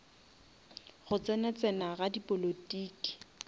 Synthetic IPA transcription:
ɣʊt͡sɛnɛt͡sʼɛnaɣadipʼolotʼiːki̥

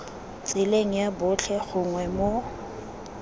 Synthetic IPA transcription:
t͡sʼɪleŋ̩jabʊt͡ɬʰɛχʊŋwɛmo

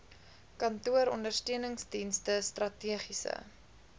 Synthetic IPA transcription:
kɐntuəɾɔndərstøənəŋsdinstəstrɐtiəχisə̰

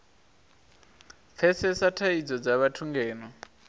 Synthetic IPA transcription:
p̪fʰɛsɛsatʰaid͡zɔd͡zaβatʰuŋɡɛːnɔ

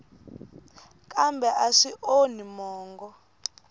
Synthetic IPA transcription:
k̬ʼambʱɛʔaʂiʔonimɔːŋɡɔ

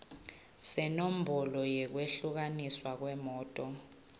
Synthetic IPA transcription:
sɛnom̩bʱɔlɔjɛk̬weɬuk̬aniswak̬wɛmɔːtʼɔ

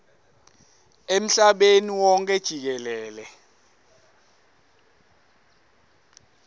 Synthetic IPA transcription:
em̩ɬaɓeniwɔŋkʰʼɛd̥ʒ̥ʱik̬ɛlɛːlɛ

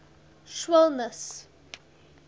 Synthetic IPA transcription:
ʃwɛlˠnəs

